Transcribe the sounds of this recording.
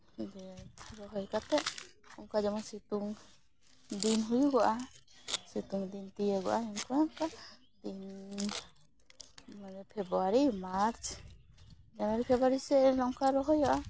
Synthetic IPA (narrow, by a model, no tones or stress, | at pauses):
d͡ʒɛɾɔɦɔjkat̪ɛʔuŋkad͡ʒamɔsit̪uŋ | d̪inɦujuɡɔʔa | sit̪uŋd̪int̪ijəɡɔ̰ʔaɛnkɔaŋka | d̪̥in | manɛpʰɛbɾuaɾimaɾt͡ʃʰ | d͡ʒamaɾipʰɛbaɾisɛlɔŋkaɾɔɦɔjɔʔa